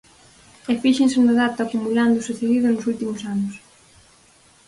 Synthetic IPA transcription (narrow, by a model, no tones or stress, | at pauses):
efiʃensenaðat̪aakumuland̪ʊsuθeðiðʊnʊsult̪imosanʊs